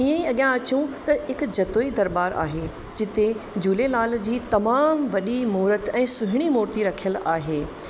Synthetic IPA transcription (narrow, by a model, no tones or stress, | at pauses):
iə̃ĩɐɠjãɐt͡ɕũt̪ɐɦɪkd͡ʑɐt̪oːid̪ɐɾbaːɾa̰ːɦe | d͡ʑɪt̪ed͡ʑuːlelaːld͡ʑiːt̪ɐmaːmʋɐɗimuːɾət̪ɛ̃ːsʊɦɪɽ̃imoːɾt̪iɾɐkʰijəlaːɦeː